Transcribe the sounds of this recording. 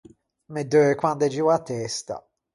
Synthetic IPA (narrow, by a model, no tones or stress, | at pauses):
med̪økwand̪ɛd͡ʒiwat̪ːɛst̪a̰